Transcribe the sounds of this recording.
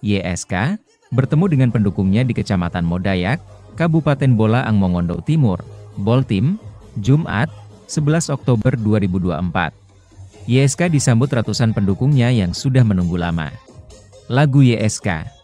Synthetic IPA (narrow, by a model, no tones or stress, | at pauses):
jeʔɛska | bərt̪əmudəŋanpəndukʊŋɲadikət͡ʃamat̪anmodajakːabupat̪ɛnbolaʔaŋmɔŋɔndɔ̰ʔt̪imʊrbɔlt̪ɪmd͡ʒumʔa̰t̪̚ | səbəlasɔk̚t̪obərduaɾibudua̰əmpa̰t̪̚ | jeɛskadisambʊt̪rat̪usanpəndukʊŋɲajaŋsudahmənuŋɡulama̰ | laɡujeʔɛska̰